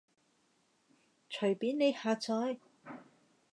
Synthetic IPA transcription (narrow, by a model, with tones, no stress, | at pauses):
t͡ʃʰɵ˨˩piː˨˥nne˨˧jhaː˧t͡sɔː˨˥j